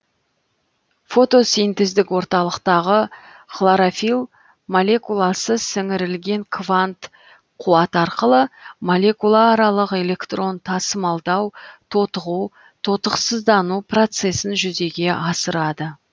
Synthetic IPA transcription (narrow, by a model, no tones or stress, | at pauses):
fo̞t̪o̞sijnt̪ezd̪ɪkwo̞ɾt̪ɑlˠəqt̪ɑʁə | χlˠaɾafilˠ | molʲe̞kulˠasəzsɪŋɪɾɪlɡʲe̞ŋkʰvant̪ | qʰuɑt̪ɑɾqəlˠəmolʲe̞kulˠaːɾɑlˠəqe̞le̞kt̪ro̞nt̪ʰɑsəmɑlˠd̪ɑwt̪ʰo̞t̪əʁu | t̪ʰo̞t̪əqsəzd̪ɑnupro̞t̪se̞sɪnʒʏze̞ɡʲe̞ʔɑsəɾɑd̪ə